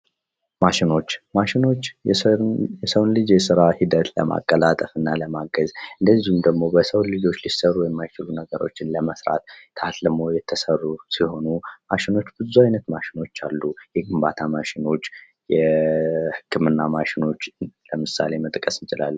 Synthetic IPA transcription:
maʃɪno̞t͡ʃːmaʃɪno̞t͡ʃː | jɛsəwnlɨd͡ʒjɛsɨɾahid̪ət̪lə̰ma̰kʼːəlat̪ʼəfɨnːaləmaɡəzɨnd̪əzːihumd̪əɡmo̞bəsəwnlɨd͡ʒo̞t͡ʃːlisərːuwjɛmːajt͡ʃɪlunəɡəɾo̞t͡ʃːɪnləməsɾa̰t̪k̪ʰəat̪ləmo̞jɛt̪ʰːəsərːusiho̞numaʃɪno̞t͡ʃːb̥ɨzuajnət̪maʃɪno̞t͡ʃːa̰lːujɛɡɨmbat̪ʰamaʃɪno̞t͡ʃː | jɛ | hɨkʰːɨmɨnːamaʃɪno̞t͡ʃːləmɨsa̰le̞mət̪ʼkʼəsɨnt͡ʃʼɪla̰lːu

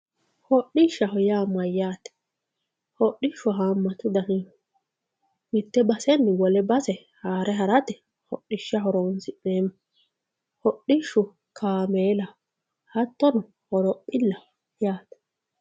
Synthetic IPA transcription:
hɔɗɪʃːɐɦɔjaːmːɐjːaːt̪ɛ̥ | hɔʔɪʃːʊɦaːmːɐt̪ʊd̪ɐɦɪ | mɪt̪ːɛbɐsɛnːɪwɔlɛbɐsɛ | haːɾɛɦɐɾɐt̪ɛ | hɔʔɪʃːɐɦɔɾɔːnsɪʔeːmːɐ | hɔɗɪʃːʊ | kʰaːmeːlɐ | hɐt̪ːɔnʊ | hɔɾɔpʼːɪlːɐ | jaːt̪ɛ̥

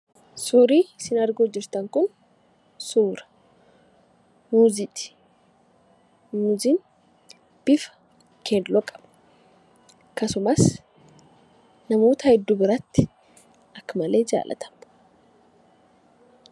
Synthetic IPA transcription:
suːɾiːsɪnɐɾɡod͡ʒːɪɾt̪ɐŋkʊn | suːɾɐ̥ | muːzɪt̪ʼ | muːzɪn | b̥ɪfɐ̥ | kʰɛd̪lɔkʼɐ̥b̥ | kɐsʊmɐs | nɐmo̞ːt̪ɐhɛd̪ːʊbɪɾɐt̪ːɪ̥ | ɐkːɐmɐle̞ːd͡ʒa̰ːlʔɐ̰t̪ʰɐ̥m

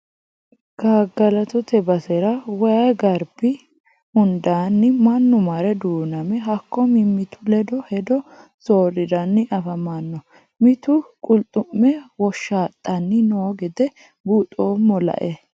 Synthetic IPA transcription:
ɡ̥aːɡɐlɐt̪ɔt̪ɛbɐsɛɾɐwɐjɐɡɐɾbɪ | hʊnd̪aːnːɪmɐnːʊmɐɾɛd̪uːnɐmɛɦɐkːɔmɪmɪt̪ʰʊlɛd̪ɔhɛd̪ɔ | soːɾɪd̪ɐnːɪʔɐfɐmɐnːɔ | mɪt̪ʊkʼʊlt̪ʼʊmːɛwɔʃːaːt̪ʼːɐnːɪnoːɡɛd̪ɛ | buːt̪ʼːoːmːɔlɐ̰ʔɛ

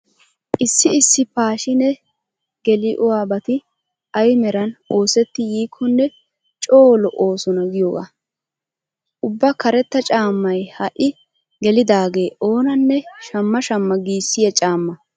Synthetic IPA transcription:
ʔɪsːɪɪsːɪpaːʃɪnɛ | ɡ̥ɛlɪʔʊwaːbɐt̪ɪ | ɐjmɛɾɐno̞ːsɛt̪ːɪjiːkʰːɔnːɛ | t͡ʃʼoːlɔʔo̞ːsɔnɐɡɪjoːɡa̰ː | ʔʊbːɐkɐɾɛt̪ːɐt͡ʃʼaːmːɐjhɐʔɪ | ɡɛlɪd̪aːɡe̞ːʔo̞ːnɐnːɛʃɐmːɐʃɐmːɐɡiːsːɪjɐt͡ʃʼaːmːɐ

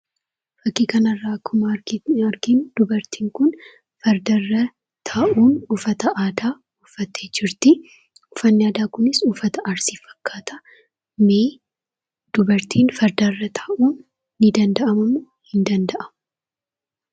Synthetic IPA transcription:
fɐkːiːkɐnɐrːaːkʰːʊmɐɾɐɾkind̪̥ʊbɐɾt̪iːŋkʊn | fɐɾd̪ɐrːɐ | t̪ʰaːʔuːnʊfɐt̪ɐʔaːd̪aː | ʊfːɐt̪ːeːd͡ʒɪɾt̪ɪ | ʊfɐnːɪaːd̪aːkʊnɪsʊfɐt̪ɐʔɐɾsifɐ̥kʰːaːt̪ɐ | meː | d̪̥ʊbɐɾt̪iːnfɐɾd̪ɐrːɐt̪ʰaːʔuːnː | ɪd̪ɐnd̪ɐʔɐmɐmʊ | hɪnd̪ɐnd̪ɐʔɐmʊ

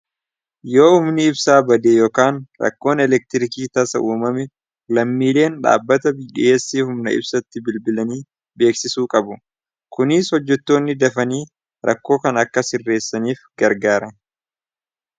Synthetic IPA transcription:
jo̞ːʊmnɪɪbsaːbɐd̪eːjoːkaːnɾɐ̰kːo̞ːnɛlɛk̚t̪ɪɾɪkiːt̪ɐsɐ̰ʔuːmɐmɛ | lɐmːiːle̞ːnᶑa̰ːbːɐt̪ɐbɪᶑɪeːsːiːhʊmnɐ̰ɪ̰bsɐt̪ːɪbɪlbɪlɐniː | be̞ːksɪsuːkʼɐbʊ | kʊnɪshɔd͡ʒːɛt̪ːo̞ːnːɪd̪ɐfɐniː | ɾʔɐkːo̞ːkɐnɐkːɐsɪrːe̞ːsːɐniːfɡ̥ɐɾɡaːɾɐ

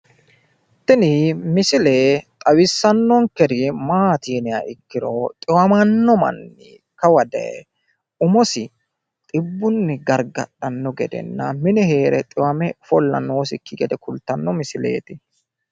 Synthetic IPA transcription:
t̪ːɪnɪmɪsɪleːt̪ʼɐwɪsːɐnːɔŋkɛɾɪmaːt̪iːnɪɐ̰ʔɪkːɪɾɔt̪ʼɪwɐmɐnːɔmɐ̰nːḭ | kɐwɐd̪ɛ̰ɛ | ʊmɔsɪ | t̪ʼɪbːʊnːɪɡɐɾɡɐɗːɐnːɔɡɛ̰d̪ɛ̰nːɐmɪnɛhe̞ːɾɛt̪ʼɪwɐmɛfɔlːɐ̰no̞ːsɪkːɪɡɛd̪ɛkʊlt̪ɐnːɔmɪsɪlḛːt̪ɪ

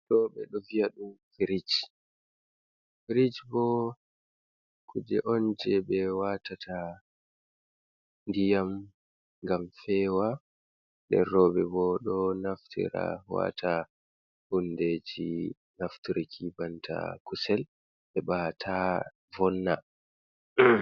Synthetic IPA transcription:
ɗɔɓɛɗɔviaɗumfiɾid͡ʒ | fiɾid͡ʒbɔ | kʰud͡ʒɛʔɔnd͡ʒɛɓɛwatata | ndijam | ŋɡamfɛwa | ɗɛ̰rːɔbɛbɔɗɔnaftʰḭɾa̰wa̰tʰa | hundeːd͡ʒi | naftɾikʰibantʰa̰kusɛl | ɓɛɓatʰa | vɔnːa̰

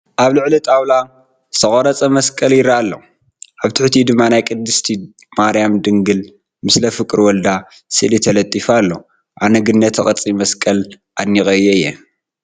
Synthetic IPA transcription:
ʔaβlɨʕlit̪ʼawla | sʰɐχʼoɾɐt͡sʼɐmɐskʼɐljɪɾaalːo | ʔaβt̪ʰɨħt̪ʰid̪ɨmːanajkʼɨd̪ːɨst̪ʰi | maɾijamd̪ɨŋɡɨl | mɨslɐfɨkʼɨɾwɔld̪a | sɨ̰lit̪ʰɐlɐt̪ʼːifalːo | ʔanɐɡɨnːɐt̪ʰɐχʼɐt͡sʼimɐskʼɐl | ʔanːixʼɐjɛɨjːɛ

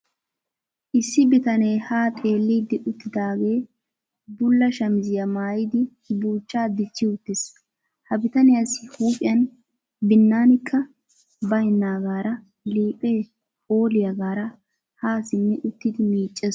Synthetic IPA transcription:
ʔɪsːɪbɪt̪ɐneːhaːt̪ʼe̞ːlːiːd̪ɪʔʊt̪ːɪd̪aːɡe̞ː | bʊlːɐʃɐmɪzɪjɐmaːjɪd̪ɪ | buːt͡ʃːaːd̪ɪt͡ʃːɪʊt̪ːɪs | hɐbɪt̪ɐnɪjɐsɪhuːpʼɪjɐn | bɪnːaːnɪkʰːɐ | bɐjɪnːaːɡaːɾɐ | liːpʼeː | oːlɪjɐɡaːɾɐ | haːsɪnːɛʔʊt̪ːɪd̪ɪmiːt͡ʃʼːɛs

